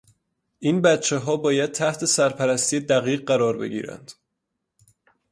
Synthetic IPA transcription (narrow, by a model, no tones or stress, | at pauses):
ʔiːnbæt̪t͡ʃʰeɦɒːbɒːjæd̪̚t̪ʰæht̪ʰe̞sæɾpʰæɾæst̪ʰijed̪æɣiːɢɢæɾɒːɾbe̞̰ɡḭːɾæ̰nd̪̥